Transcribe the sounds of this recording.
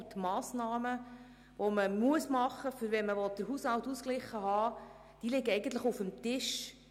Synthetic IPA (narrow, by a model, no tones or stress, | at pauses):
t̪mɑːsnɑːmə | ʋoməmuəsmɑχːəfʏɾvɛnməʋɔt̚d̥əɾɦuːshɑltːusklɪχːəɦɑː | d̥ilɪɡɛjɡən̩t̪ləχufəmtɪʃ